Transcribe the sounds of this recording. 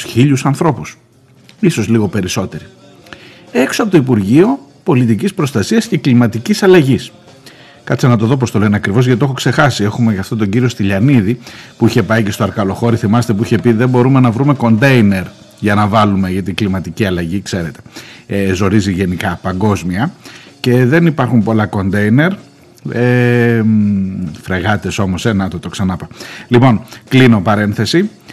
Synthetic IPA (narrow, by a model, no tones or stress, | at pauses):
çiʎusɐnθɾo̞pus | iso̞zliɣo̞pe̞ɾiso̞t̪e̞ɾi | e̞ksoɐpot̪oipuɾʝio̞po̞lit̪icispɾo̞st̪ɐsiɐsce̞klimɐt̪icisɐlɐʝis | kɐt̪senɐt̪o̞ðo̞p̬o̞st̪o̞le̞neɐkɾivo̞zʝɐt̪ioxo̞kse̞xɐsie̞xumecɐft̪ot̪oɲɟiɾio̞st̪iʎɐniðipuiçe̞pɐice̞st̪oɐɾkɐlo̞xo̞ɾiθimɐset̪e̞p̬uiçe̞piðe̞mbo̞ɾume̞nɐvɾume̞ko̞nd̪e̞jne̞ɾ | ʝɐnɐvɐlume̞ʝɐt̪iɡlimɐt̪iciɐlɐʝikse̞ɾe̞t̪e̞̥ezo̞ɾiziʝe̞nikɐpɐŋɡo̞zmiɐ | ce̞ðe̞nipɐɾxumpo̞lɐko̞nd̪e̞jne̞ɾ | emfɾeɣɐt̪e̞so̞mo̞se̞nɐt̪ot̪o̞ksɐnɐpɐlipo̞nklinopɐɾe̞nθe̞si